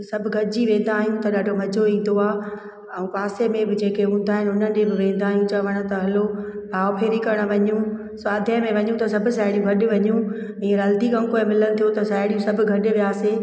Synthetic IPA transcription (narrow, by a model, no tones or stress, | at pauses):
sɐbʱʊ̆ɡʱɐʈɪd͡ʑiʋẽːn̆d̪aːɦijũt̪ɐɗaːɖʱomɐd͡ʑʱoĩːn̆d̪oaː | ɛ̃ũpaːsemẽbɪd͡ʑeːkeɦũːnd̪aːɦɪnɪʊnən̆d͡ʑebɪʋẽːn̆d̪aːɦijũt͡ɕɐʋəɽ̃ʊ̆t̪ɐɦɐlobʱaːʋʊpʰeːɾikɐɾəɽ̃̆ʋɐɲũ | saːd̪ʱijə̃mẽʋɐɲũt̪ɐsɐbʱʊ̆saːɪɽijũɡʱɐɗʊ̆ʋɐɲũ | ĩːɾɐld̪ikɐ̃mkoːɪmɪlənɪ̆t̪ʰijot̪ɐsaːɪɽijũsɐbʱʊ̆ɡʱɐɗɪ̆ʋijaːse